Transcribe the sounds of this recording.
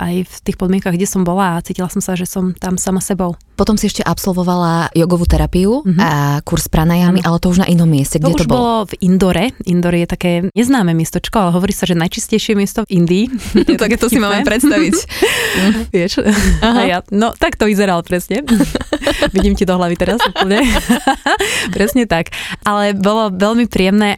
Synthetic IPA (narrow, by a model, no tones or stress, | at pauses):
ʔajft̪iːxpɔd̪mɪɛ̃ŋkaɣɡɟɛsɔmbɔlaːt͡siːcilasɔmsaʒɛsɔmt̪amsamasɛbɔʊ | pɔt̪ɔmsiɛʃcɛʔapsɔlʋɔʋalajɔɡɔʋuːt̪ɛɾapiuɦakuɾspɾanajamiʔalɛt̪ɔuʒna̰ʔinɔmːɪɛscɛɡ̪ɟɛtuɔbɔlɔvind̪ɔɾɛʔind̪ɔɾɛjɛt̪akɛːɲɛznaːmɛmɪɛst̪ɔt͡ʃkɔalɛɦɔʋɔɾiːsaʒɛnajt͡ʃiscɛjʃɪɛmɪɛst̪ɔind̪iːt̪akɛt̪ɔsimaːmɛpɾɛt̪st̪aʋic | ʋɪɛʃajanɔt̪akt̪ɔʋizɛɾalpɾɛsɲɛ | ʋiɟiːmcid̪ɔɦlaʋit̪ɛɾasuːpl̩ˠɲɛ | pɾɛsɲɛt̪akʔalɛbɔlɔʋɛʎmipɾiɛmnɛː